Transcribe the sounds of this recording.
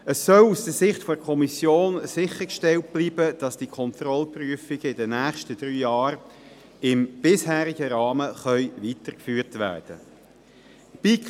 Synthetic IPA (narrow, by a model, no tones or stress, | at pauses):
əsːœlusd̥əsɪχtfɔkʰɔmisjoːnsɪχəkʃtɛlt̚b̥liːbəd̥ɑsd̥ikʰɔntɾɔlpryəfɪɡəɪdənæːχʃtəd̥ɾyːjɑːɾ | ɪmb̥ɪshæːɾɪɡəɾɑːməχœʏʋiːtəɾkfyːʁtʋæ̰ːɾd̥ə̰ | b̥ik